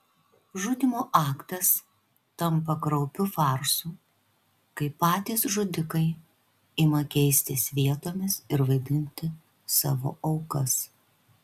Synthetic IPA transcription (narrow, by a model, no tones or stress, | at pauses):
ʒʊd̪ʲɪmoːʔɑːkt̪ɐs | t̪ɐmpɐkɾɒʊpʲʊfɑːɾsuː | kɐɪpːɑːt̪ʲiːsʒʊd̪ʲɪkɐɪ | ɪmɐkʲɛɪsʲt̪ʲɪsʲʋʲiɛt̪oːmʲɪsɪɾʋɐɪd̪ʲɪnʲt̪ʲɪ | sɑ̰ːʋo̰ːʔɐʊkɐs